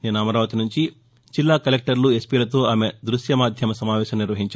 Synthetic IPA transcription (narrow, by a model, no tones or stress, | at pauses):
neːnuɐmɐɾaːʋɐt̪inuɲt͡ʃi | t͡ʃilːaːkɐlek̚ʈɐɾlue̞spiːlɐt̪oːaːmed̪ɾusjɐmaːd̪ʱjɐmɐsɐmaːʋɛːʃɐmniɾʋɐɦiɲt͡ʃː